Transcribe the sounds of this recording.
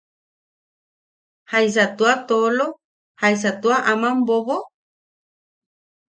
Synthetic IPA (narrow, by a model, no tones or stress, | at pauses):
hajs̬at̪uat̪olo | hajs̬at̪uaʔamamboβo